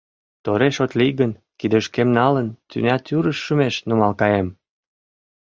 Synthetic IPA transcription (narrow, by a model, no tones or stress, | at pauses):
t̪oɾeʃot̪liɣən | kid̪əʃkemnɑlənt̪y̰nʲɑt̪ʲyɾəʃːəmeʃnumɑlkɑjem